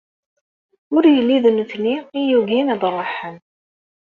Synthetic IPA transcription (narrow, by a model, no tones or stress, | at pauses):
ʊɾjəlːiðənθniijuʝinæðˤrˤːəħən